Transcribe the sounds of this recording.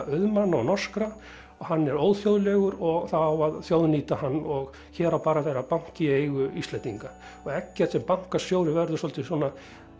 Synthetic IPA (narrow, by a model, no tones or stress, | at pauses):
œðmanːaɔnɔr̥skɾa | ɔhanːɛɾoːwðθjowðlɛɣʏɾɔɣθawaðθjoːwðniːt̪ahanːɔɣ | çɛːɾawpaːɾaθejɾapaŋ̥cɪeːjɣʏist̪ɛnt̪iŋka | ɔɣɛcːɛ̥t̪sɛmpawŋ̥kasjoːwɾʏvɛɾðʏsɔlt̪ɪswɔna